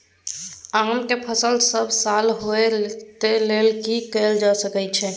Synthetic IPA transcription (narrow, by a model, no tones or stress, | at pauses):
aːmkepʰəsəlsəbʱsaːlɦoet̪elelkikɛld͡ʒasəkɛt͡ʃʰɛ